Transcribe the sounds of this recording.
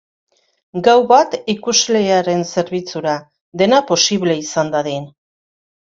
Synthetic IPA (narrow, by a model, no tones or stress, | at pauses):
ɡawβat̪ikuzle̞aɾe̞nse̞ɾβit͡suɾa | d̪e̞napo̞siβle̞isand̪aðin